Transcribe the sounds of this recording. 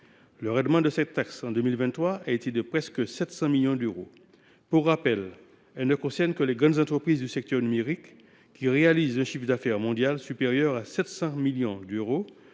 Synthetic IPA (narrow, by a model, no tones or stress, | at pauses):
ləʁɛ̃d̪mɑ̃d̪əsɛt̪ːaksɑ̃d̪ømilvɛ̃t̪ːχwaaet̪ed̪əpχɛskəsɛt̪sɑ̃miljɔ̃d̪øʁo | puʁːapɛl | ɛlnəkɔ̃sɛʁnkəleɡʁɑ̃d̪zɑ̃t̪χəpχizd̪ysɛk̚t̪œʁnymeʁikː | iʁealizɛ̃ʃifd̪afɛʁmɔ̃d̪jalsypeʁjœʁasɛt̪sɑ̃miljɔ̃d̪øʁo